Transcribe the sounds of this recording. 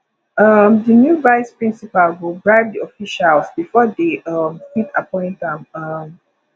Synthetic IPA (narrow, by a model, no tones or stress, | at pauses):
ʌmdənjubaɪspɹĩnsipalwilˠdɹaɪvdiɔfiʃalsbifɔdeʌmsitʰa̰pɔ̃ɪ̃ntãmʌm